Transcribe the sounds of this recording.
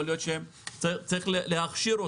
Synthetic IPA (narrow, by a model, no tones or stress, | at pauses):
olijot̪ʃem | t͡st͡saʁiχleleaχʃiɾo